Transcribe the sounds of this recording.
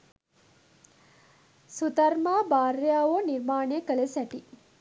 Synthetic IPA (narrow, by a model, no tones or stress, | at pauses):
sut̪ɐɾmaːbaːrjaːʋoniɾmaːnejəkəlesæʈi